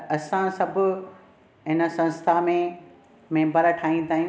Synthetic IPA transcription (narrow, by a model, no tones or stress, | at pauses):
ɐsãsɐbʱʊ̆ | ɦɪnəsɐ̃nst̪ʰaːmẽ | mẽːbɐɾəʈʰaːĩnd̪aːɦij̃